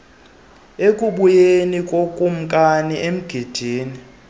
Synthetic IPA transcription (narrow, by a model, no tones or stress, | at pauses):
ekʼuɓujenikʼokʼum̩kʼaniʔem̩ɡ̥ʱid̥ʱiːni